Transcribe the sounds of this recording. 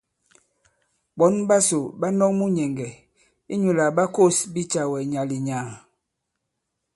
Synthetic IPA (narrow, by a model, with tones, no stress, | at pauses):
ɓɔ˨˦nba˦so˨ba˦nɔ˦kmu˦ɲɛ˨ŋɡɛ˨ | i˦ɲu˨la˨ba˦ko˦˨sbi˦t͡ʃa˨wɛ˨ɲa˨li˨ɲaː˨